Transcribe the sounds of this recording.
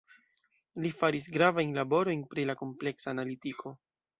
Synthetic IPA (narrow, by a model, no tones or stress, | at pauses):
lifaɾis̬ɡɾavajnlabo̞ɾo̞jnpɾilako̞mple̞ksaːnalitikʰo̞